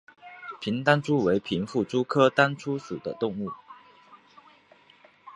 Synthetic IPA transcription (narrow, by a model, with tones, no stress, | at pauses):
pʰi˧˥nt̪a˥nʈ͡ʂʰu˥we˧˥ɪpʰi˧˥nfu˥˩ʈ͡ʂu˥kʰɤ˥t̪a˥nʈ͡ʂʰu˥ʂṵ˨˩d̪ə̰˦t̪ʊ˥˧ŋu˥˩